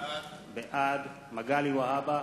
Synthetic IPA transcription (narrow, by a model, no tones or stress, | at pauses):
beʔad̪ | maɡaliwaɦaba